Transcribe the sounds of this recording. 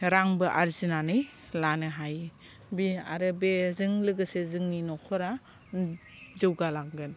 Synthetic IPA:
ɾaŋbɯʔaɾzinanɯj | lanɯɦaj | bia̰ɾɯbezɯŋlɯɡɯsezɯŋninɔkʰɔɾa | zɯwɡalaŋɡɯn

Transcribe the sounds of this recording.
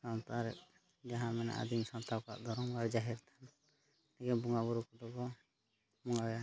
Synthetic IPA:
sɔnt̪aɾɛʔ | d͡ʒaɦamɛna̰ʔa̰d̪ʱimsɔnt̪aka̰ʔd̪ʱɔɾɔmɡaɾd͡ʒaɦɛɾt̪ʰan | lɛkɛbuŋabuɾukɔd̪ɔbɔ | muŋaja

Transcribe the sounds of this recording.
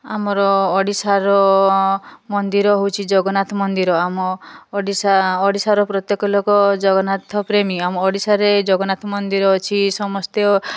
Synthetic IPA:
amɔɾɔːɽisaɾɔ | mɔnd̪iɾɔɦewt͡ʃʰid͡ʒɔɡɔnat̪ʰɔmɔnd̪iɾɔamɔːɽisaːɽisaɾɔpɾɔt̪jɔkɔlɔkɔd͡ʒɔɡɔnat̪ʰɔpɾemiamɔːɽisaɾed͡ʒɔɡɔnat̪ʰɔmɔnd̪iɾɔɦɔt͡ʃʰisɔmɔst̪jɔ

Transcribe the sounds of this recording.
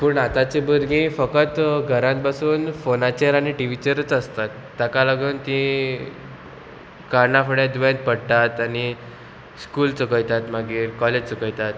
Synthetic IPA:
pəɳat̪at͡ɕebəɾɡĩfəkət̪ɡʱəɾãt̪̚basuːnfonat͡ɕeɾañiʈiʋit͡ɕəɾət͡səst̪at̪ːjakaləɡəːnt̪ĩ | kaɾnafəɽjad̪uʋẽnt̪̚pəɽʈ̪at̪ani | skult͡səkəjt̪at̪maɡiːɾkɔled͡ʑt͡səkəjt̪at̪

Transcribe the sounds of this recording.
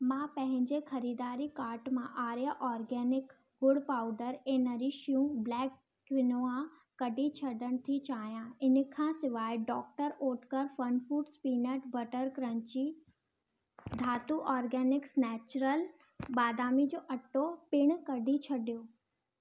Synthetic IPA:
mãːpɐ̃ɦɪ̃ɲd͡ʑexɐɾiːd̪aːɾikaːɾʈmãʔaːɾjəʔɔːɾɡɛːnɪk | ɡʊɽpaːʊɖəɾẽːnɐɾiʃijũblɛːkː | ʋɪnoa | kɐɖʱit͡ɕʰɐɖəɽ̃t̪ʰit͡ɕaːɦjãɪnəkʰãsɪʋaːjɖɔːk̚ʈəɾoːʈkəɾfɐnfuːʈspiːnəʈbɐʈəɾkɾə̃ɲt͡ɕi | d̪ʱaːt̪uʔɔːɾɡɛːnɪksnɛːt͡ɕʊɾəl | baːd̪aːmid͡ʑoːʔɐʈːopɪɽ̃kɐɖʱit͡ɕʰɐɖijoː

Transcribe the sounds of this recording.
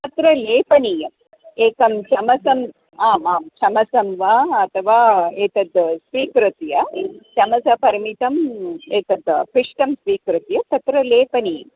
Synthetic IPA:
t̪ɐt̪ɾɐleːpɐnijɐm | eːkɐmt͡ʃʰɐmɐsɐm | aːmaːmt͡ʃʰɐmɐsɐmʋɐɐt̪ʰɐʋaːeːt̪ɐd̪sʋiːkɾɨt̪jɐt͡ʃɐmɐsɐpɐɾmit̪ɐmeːt̪ɐd̪pɾiʂʈɐmsʋiːkɾɨt̪jɐt̪ɐt̪ɾɐleːpɐnijɐ̰m

